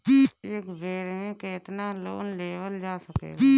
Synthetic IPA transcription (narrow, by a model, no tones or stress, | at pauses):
kiːeːkʋeːɾɦẽːkeːt̪naːloːnleːʋəld͡ʒaːsəkḛːiː